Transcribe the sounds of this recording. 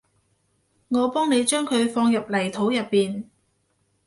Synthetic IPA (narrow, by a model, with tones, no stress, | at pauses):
ŋɔː˨˧pɔː˥ŋne˨˧jt͡ʃœː˥ŋkʰɵ˨˧ɥfɔː˧ŋjɐ˨p̚lɐ˨˩jt̪ʰo˨˥wjɐ˨pːiː˨n